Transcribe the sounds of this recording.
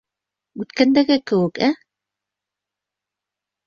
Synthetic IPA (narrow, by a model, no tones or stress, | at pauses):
ʉt̪kænd̪æɡɘkɘ̆wɘ̆kæ